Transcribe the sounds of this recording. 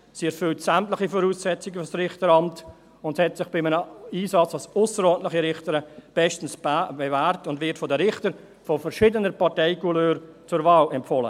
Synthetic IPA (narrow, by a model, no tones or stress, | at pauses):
siːɛɾfʏltsæmtlɪχifɔɾuːsɛt͡sɪɡəfɔsrɪχtəɾɑmt | ʊnthɛtsɪχb̥ɪmənəiːsɑt͡sɑsʊsəɾɔːntlɪχiɾɪχtəɾəb̥ɛʃtn̩sbevæːɾtʊndvɪtfɔdəɾɪχtəɾ | fɔfəɾʃiːdənəɾpɑʁtɛɪkuløːɾ | t͡sʊɾvɑːlɛmpfɔlə̰